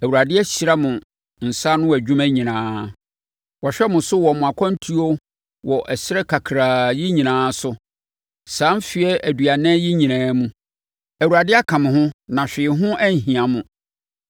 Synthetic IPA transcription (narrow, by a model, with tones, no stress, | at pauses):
æ˨wu˨ɾa˨dɪ˦ɛ˦ɕi˨ɾa˦mʊ̃˨ | n̩˨sa˦nʊ̃˦wæ˨d͡ʑᶣũ˦mæ̃˦ɲĩ˨nãː˦ | wɔ˨ɕᶣɛ˦mʊ̃˨sʊ˦wɔ˨mʊ̃˨a˨kʰɔ̃˦n̩˦tʰu˦o˦ | wɔ˨ʔɛ˨ɕɪ˦ɾɛ˦kʰa˨kʰɾaː˨jɪ˦ɲĩ˨nãː˨˦sʊ˦ | sãː˨˦mfi˨ɛ˦ʔæ˨dɥa˨nɛ̃˦jɪ˦ɲĩ˨nãː˨˦mũ˦ | æ˨wu˨ɾa˨dɪ˦a˦kʰã˨mʊ̃˨hʊ̃˦nã˨ɕᶣɪ˨ɦʊ̃˦ʔæ˦ɲ̩˨ɦĩ˨ã˨mʊ̃˨